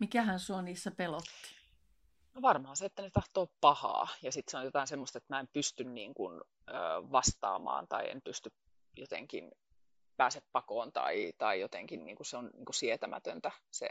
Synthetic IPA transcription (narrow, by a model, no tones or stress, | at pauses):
mikæhænsuoniːsːæpelot̪ːi̥ | noʋɑrmɑhɑnseet̪ːænet̪ɑht̪oːppɑhɑ̰ːjɑsit̪seojjot̪ɑinsemːost̪et̪mæːempyst̪ynniːŋkun | øːʋɑst̪ɑ̰ːmɑ̰ːnt̪ɑ̰iḛmpyst̪yp | jot̪ḛŋkḭn | pæːseppɑkoːnt̪ɑ̰it̪ɑijot̪ḛŋkinnḭːŋkuseonniːŋkusiet̪æmæ̰t̪ønt̪æsḛ